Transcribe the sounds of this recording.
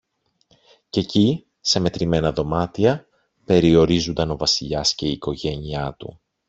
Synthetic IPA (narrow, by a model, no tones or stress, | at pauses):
ce̞ci | se̞me̞t̪ɾime̞nɐðo̞mɐt̪iɐ | pe̞ɾio̞ɾizund̪ɐno̞vɐsiʎɐsce̞iːko̞ʝe̞niɐt̪ṵ